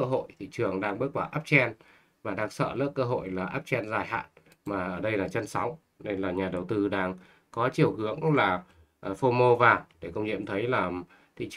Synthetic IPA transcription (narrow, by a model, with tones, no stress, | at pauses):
ə˧ɦo̰˧˨jt̪ʰḭ˧˨t͡ɕɨ˨˩əŋɗaː˧ŋɓə˦˥ət̚waː˧˩ʔaː˦˥p̚t͡ɕɛ˧n | vaː˨˩ɗaː˧ŋsə̰ː˧˨lə̰˦˥k̚əː˧ɦo̰˧˨jlaː˨˩ʔaː˦˥p̚t͡ɕɛ˧nzaː˨˩jha̰ː˧˨n | maː˨˩ʔəː˧˩ɗə˧jlaː˨˩t͡ɕə˧nsa˨˦wŋ͡m | ne˧nlaː˨˩ɲaː˨˩ɗə˨˩wt̪ɨ˧ɗaː˧ŋ | kɔ˨˦t͡ɕi˨˩əwhɨ˨˦əŋlaː˨˩˨ | fo˧mo˧vaː˨˩ɗe˧˩kə˧wŋ͡mɲḭ˧˨ə˨mt̪ʰə˨˦jlaː˨˩ | t̪ʰḭ˧˨